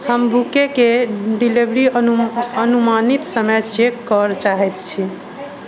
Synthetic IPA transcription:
həmbʱukekeɖilibɾi | ənumanit̪səməjt͡ʃekːəɾt͡ʃaɦɛt̪t͡ʃʰi

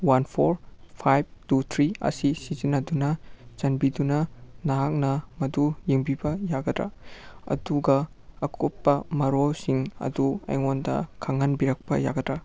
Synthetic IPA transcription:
wanpʰoɾpʰajb̚tut̪ʰɾiɐ̰sisizinɐdunɐt͡ʃɐnbidunɐnaak̚nɐmɐdujiŋbibɐjaɡɐdɾɐ̰ɐ̰duɡɐː | kʰot̚pɐmɐɾolsiŋɐ̰duɐ̰jŋondɐ̰kʰaŋanbiɾɐk̚pɐ̰ja̰ɡɐdɾɐ

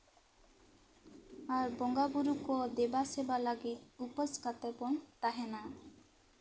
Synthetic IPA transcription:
aɾbɔŋɡabuɾukɔd̪ebasebalaɡit̪̚upɔskat̪ɛpɔnt̪aɦɛna

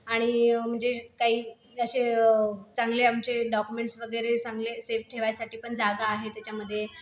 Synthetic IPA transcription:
aɽ̃im̤əɳd͡zekaɦiː | əɕe | t͡saŋɡleamt͡ɕeɖɔkumeɳʈsʋəɡəjɾesãŋɡleseʋʈʰeʋajasaʈiːpəɳd͡zaɡaːɦet̪jat͡ɕjaməd̪ʱːje

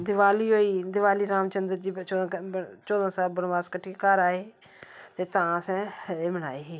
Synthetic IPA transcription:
d̪ɪʋaːliːɦoːiːd̪ɪʋaːliːɾaːmt͡ʃənd̪əɾd͡ʒiːõt͡ʃoːd̪ãːsaːbənʋaːskəʈʰːiːkekaːɾaːeː | t̪eːt̪ãːsɛ̃ːeːməna̰ːeːɦeː

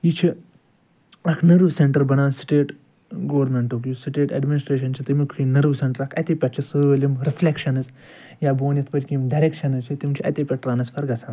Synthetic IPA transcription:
jit͡ʃʰi | ɐkʰnɐɾʋseɳʈɐɾbɐnaːnsi̥ʈeːʈ | ɡoʋɾmeɳʈokjusiʈeːʈɐ̰ɖminisʈɾeːʃɐnt͡ʃʰit̪imikʰinɐɾʋseɳʈɐɾɐkʰɐ̰t̪ipʲɐt̪t͡ʃʰisɨːʋɐlʲimɾifʰlʲekʃɐnɨz | jaːboːnɐt̪ʰpɐtʲkimɖɐɾekʃɐnɨzt͡ʃʰit̪imt͡ʃʰiʔɐ̰t̪ʲepʲɐʈɾaːnɐspʰɐɾɡɐsʰaːn

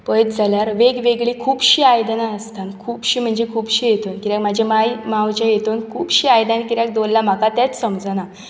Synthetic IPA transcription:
pəjt̪d͡zʱaljaɾʋeɡʋeɡɭikʰuːbɕiːajd̪naəst̪ankʰuːbɕiːm̤əɳd͡zekʰuːbɕijet̪onkiɾjakmad͡ʑʱjamajmawt͡ɕajet̪onkʰuːbɕiːajd̪nanikiɾjak̚d̪olːam̤akat̪jat͡ssəmd͡zna

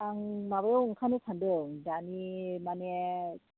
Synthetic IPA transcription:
aŋmaβajɔwuŋkʰanɯkʰandɯŋdanimanɛ

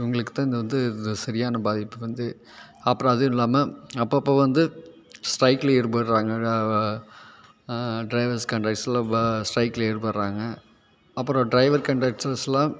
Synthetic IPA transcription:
ʊŋɡɐɭɯkːɯ̥t̪ːãːɪnd̪ɐʋɐnd̪ɯðɐsɐɾɪjaːnɐbaːðɪpːɯʋɐnd̪ɯ | ɐpːɯɾɔ̃ɐðɯɪlːaːmɐɐpːɐpːoːʋɐnd̪ɯ | sʈɾɐɪklɐɛɾɯpɐɾɾaːŋɡɐ | ɖɾɐɪʋɐɾskɐɳʈaːk̚ʈslãːsʈɾɐɪklɐeːɾɯpɐɾɾaːŋɡɐ | ɐpːɯɾõɖɾɐɪʋɐɾkɐɳʈaːk̚ʈsɐslãː

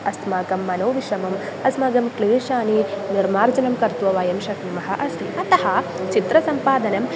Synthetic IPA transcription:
ɐst̪maːkɐmːɐnoːʋiʃɐmɐm | ɐsmɐɡɐmkliːʃaːniniɾmaːɾd͡ʒɐnɐmkɐɾt̪ʋɐʋaːjɐmʃɐknimɐɦɐʔɐst̪ʰiɐt̪ɐɦɐ | t͡ʃit̪ɾɐsɐmpaːd̪ɐnɐm

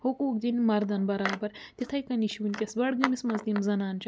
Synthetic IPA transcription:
hokoːkd̪inmɐɾd̪ɐnbɐɾaːbɐɾt̪ʲit̪ʰɐjkɐniʃunʲkʲɐsbɐɽɡɐmismɐzd̪imzɐnaːnt͡ʃʰɐ

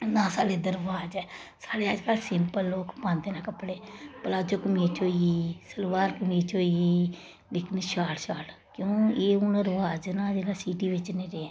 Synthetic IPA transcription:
nãːsaːɽeːd̪əɾʋaːd͡ʒɛːsaːɽeːaːd͡ʒkaːlsɪmpəlːoːkpãːnd̪eːnãːkəpːɽeːpəlaːd͡ʒoːkəmiːt͡ʃoːiiːsəlʋaːɾkəmiːt͡ʃoːiiː | lɪkʰneʃaːɽʃaːɽ | kjõːeːuːnə̃ɾʋaːd͡ʒnãːd͡ʒeːlaːsiːʈiːʋɪt͡ʃnẽːɾeːɛː

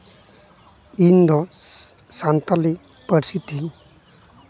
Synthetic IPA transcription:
ind̪ɔ | sant̪ali | pəɾsit̪iŋ

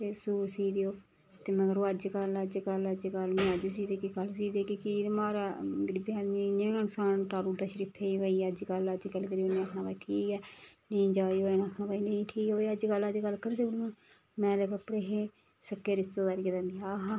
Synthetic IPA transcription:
t̪eːsuːɾsiːd̪ejoː | t̪eːməɡəɾõːəd͡ʒkələd͡ʒkələd͡ʒɡəlmẽːəd͡ʒs̬iːd̪eːkiɡəlsiːd̪eːkikimaːɾaɡəɾibiaːdmĩɲẽːənsaːnʈaːɾuːd̪aːʃəɾiːpʰeːiʋaːiːəd͡ʒɡələd͡ʒɡəlkəɾioːnẽakʰnãːpaːiːʈʰiːkɛːnə̃ĩd͡ʒaːioenãːkʰnaːpaːiːnəĩːʈʰiːkoːəd͡ʒɡəlad͡ʒɡəlkəɾd̪eːblõː | mɛ̃ːləkəpɾeɦe | səkːeːɾɪst̪aːd̪aːɾed̪abiaːɦa

